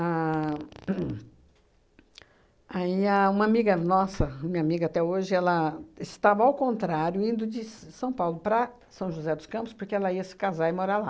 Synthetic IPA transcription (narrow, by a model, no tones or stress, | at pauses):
a | aiɐũmɐamiɡɐnɔsɐmĩɲɐamiɡɐat̪ɛoʒɪɛlɐɪst̪avɐawkõnt̪ɾaɾjʊĩnd̪ʊd͡ʒɪsɐ̃w̃pawlʊpɾɐ | sɐ̃w̃ʒuzɛd̪ʊskɐ̃mpʊspoɾkeɛlɐiɐsɪ̥kazaɪmoɾala